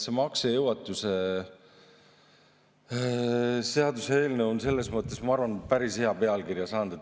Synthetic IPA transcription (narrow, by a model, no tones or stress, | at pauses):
semɑksejɤwɑt̪ːˑuse̞ | se̞ɑd̪usee̞ːlneonse̞lːesmɤt̪ːˑe̞smɑɑrvɑnpæɾishe̞ɑpe̞ɑlkiɾjɑsɑːnd̪̥ɑ